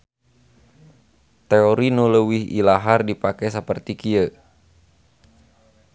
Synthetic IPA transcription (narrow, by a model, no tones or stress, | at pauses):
t̪ɛoɾinuləwihḭlaɦardipakɛsəpərt̪ikiə